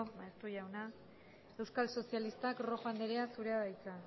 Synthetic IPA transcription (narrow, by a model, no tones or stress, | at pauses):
maest̪uʝawna | e̞wskalso̞sialist̪akro̞xoand̪eɾeasuɾe̞aðajt͡sa